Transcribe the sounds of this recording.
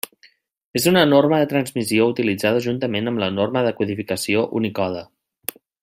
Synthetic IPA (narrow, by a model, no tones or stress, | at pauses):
ezunənorməðət̪ɾənzmisiout̪ilid͡zað̞əʒunt̪əmenəmlənorməðəkuðifikəsioʔunikɔðə